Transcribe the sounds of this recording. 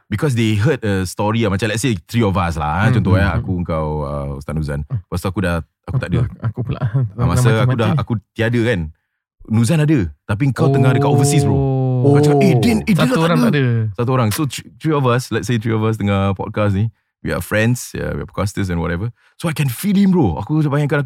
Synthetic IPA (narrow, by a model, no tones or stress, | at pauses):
bikʰɔs̬deɦəd̚əst̪ɔɹiamat͡ʃãmlɛt̚set̪ɹiɔvas̬la̰t͡ʃɔ̃nt̪ɔanaakuəŋkawə̰ṵst̪aʔ̚nuzã̰npast̪uakudah | akut̪aʔdəakupla̰ʔamasaaudahakut̪iadəkan | nuzanadət̪ap̬iəŋkawt̪əŋadəkaovəsisbɾookaaidiidat̪uɾãŋadəsat̪uoɾaŋsot̪ɾiɔvaslɛt̚set̪ɾiɔvas̬t̪əŋapɔ̰t̚kasni | wḭha̰fɹɛ̃nsə̰wiha̰fkast̪əs̬ɛ̃nwɔɾɛvə | soajkɛ̃nfilimbɾoa̰kuəbajãŋkanak